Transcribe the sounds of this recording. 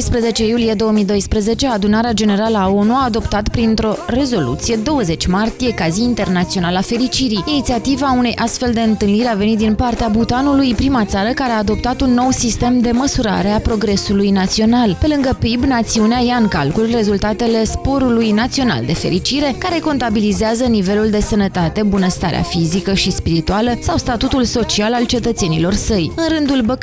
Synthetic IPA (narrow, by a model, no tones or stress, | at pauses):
jspɾəze̞t͡ʃe̞julije̞d̪o̞wəmid̪o̞jspɾəze̞t͡ʃe̞ad̪unaɾead͡ʒe̞ne̞ɾaləaonuaːd̪o̞pt̪at̪pɾint̪ɾo̞re̞zo̞lṵt̪sije̞d̪o̞wəze̞t͡ʃʲmart̪ije̞kaziint̪e̞rnat̪sio̞nalafe̞ɾit͡ʃiɾiinit̪siat̪ivaune̞jʔast̪fe̞ld̪e̞ɨnt̪ɨlniɾeave̞nit̪̚d̪inpart̪eabut̪anulujpɾimat̪saɾəkaɾeaːd̪o̞pt̪at̪unːo̞wsist̪e̞md̪e̞məsuɾa̰ɾe̞apɾo̞ɡɾe̞sulujnat̪sio̞nalpe̞lɨŋɡəpibnat̪siuneajaɨŋka̰lkulre̞zult̪at̪e̞le̞spo̞ɾulujnat̪sio̞na̰ld̪e̞fe̞ɾit͡ʃiɾe̞kaɾe̞ko̞nt̪abilizeazənive̞luld̪e̞sənət̪at̪e̞bunəst̪aɾea̰fizikəʃispiɾit̪ualəsawst̪at̪ut̪ulso̞t͡ʃialalt͡ʃe̞t̪ət̪se̞nilo̞rsəjɨnɾɨnd̪ulbək